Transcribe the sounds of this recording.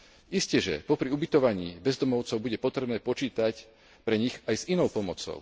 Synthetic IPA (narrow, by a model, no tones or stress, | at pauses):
iscɛʒɛ̰pɔpɾiubit̪ɔʋaɲiːbɛzd̪ɔmɔʊt͡sɔʊbuɟɛpɔt̪ɾɛbnɛːpɔt͡ʃiːt̪ac | pɾɛɲiɣajzinɔʊpɔmɔt͡sɔ̰ʊ